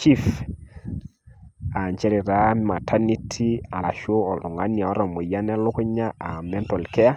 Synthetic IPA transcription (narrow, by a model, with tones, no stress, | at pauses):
t͡ʃi˦f | a˨ɲt͡ʃɛ˦ɾi˨ɾa˦ma˨tʰa˦ni˦tʰi˦a˨la˨ʃo˦ɔ˨dʊ˨ŋa˦ni˨a˨ɔ˦ɾɔ˨mo˨ja˦nɛ˦lʊ˦kʊ˦ɲa˦a˨mɛ˦ntɔ˨lkɛ˦a˦